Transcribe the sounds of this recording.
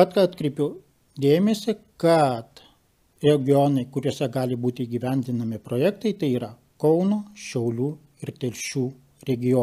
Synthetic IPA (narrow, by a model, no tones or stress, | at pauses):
ɐt̪kɑɑːt̪ʲkɾʲɛɪpʲʊ | d̪ʲeːmʲesʲɪkɐt̪ | ɾʲɛɡʲɪɔnɐɪkʊɾʲuɔsʲɛɡɑːlʲɪbuːt̪ʲɪiːɡʲiʋʲɛnʲd̪ʲɪnɐmʲɪpɾoːjɛkt̪ɐɪt̪ɐɪiːɾɐ | kɐʊnoːʃʲɛʊlʲuː | ɪɾt̪ʲɛlʲʃʲuː | ɾʲɛɡʲɪjo